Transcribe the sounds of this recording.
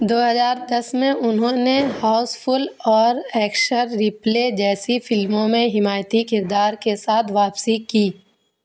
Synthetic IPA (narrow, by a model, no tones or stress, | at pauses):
d̪oːɦɐzaːɾd̪ɐsmẽʔʊnɦõnehaːʊspʰʊlɔːɾɛːkʃəɾːɪpleːd͡ʒɛːsifɪlmõmẽɦɪmaːjt̪ikɪɾd̪aːɾkesaːt̪ʰʋaːpsikiː